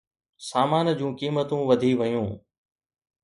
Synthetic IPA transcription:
saːmaːnd͡ʑũːkiːmət̪ũʋɐd̪ʱiʋɐjũː

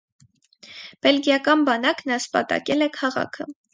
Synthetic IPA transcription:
b̥ɛlɡjɑkɑnbɑnɑknɑspɑ̰t̪ɑ̰kɛlɛkʰɑʁɑ̰kʰə

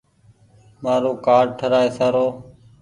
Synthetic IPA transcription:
maːɾoːkaːɾ̚ʈʰəɾaːeːsaːɾoː

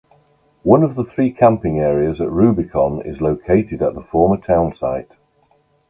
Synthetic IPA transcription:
wʌ̃nəvðəθɹiːkʰãmpɪ̃ŋɛːɹiəzəʔɹʉːbɪkʰɒ̃nɪ̰zloʊkʰeɪtʰɪdəʔðəfɔːmətʰãʊ̃nsa̰ɪt

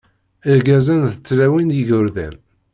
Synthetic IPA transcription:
əɾɡæzænθət͡sːlæwiniʝʊɾðæ̰n

